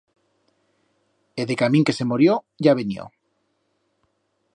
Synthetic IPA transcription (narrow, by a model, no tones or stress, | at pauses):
eðekamĩŋke̞se̞moɾjo | ʝaβenjo̰